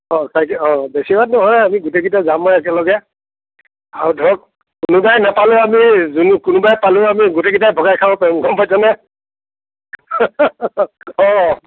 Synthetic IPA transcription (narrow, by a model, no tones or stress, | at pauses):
ɔ̃sajkɛɔ̃besibadnɔɦɔjamiɡuteɡitazamɔjɛk̬ɛlɔɡɛ | aɹudʱɔɔk | kʊnʊbajnapalʊamizunkʊnʊbajpalʊamiɡuteɡitajbʱɔɡajkʰabɔpɛmɡʱɔmpajtɔnɛ | ɔ̃